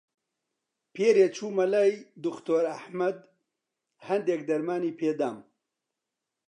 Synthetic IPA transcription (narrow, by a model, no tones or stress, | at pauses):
peːɾeːt͡ʃʰuːmɐlajd̪ʊkt̪oːɾɐħmɐd̪ | hɐnd̪eːk̚d̪ɐɾmaːniːpʰeːd̪aːm